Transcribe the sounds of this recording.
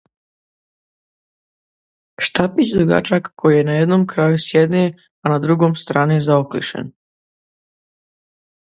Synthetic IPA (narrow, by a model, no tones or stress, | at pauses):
ʃt̪apit͡ɕd̪oɡa̰t͡ʃakkojijenajed̪nomkɾaːjusjed̪ni | anad̪ɾuɡomst̪ɾaːnizaoklḭʃḛn